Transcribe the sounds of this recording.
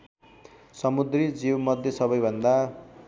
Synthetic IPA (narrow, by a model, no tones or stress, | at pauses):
sʌmud̪rid͡ziwmʌd̪ʱjesʌbʌjbʱʌnd̪a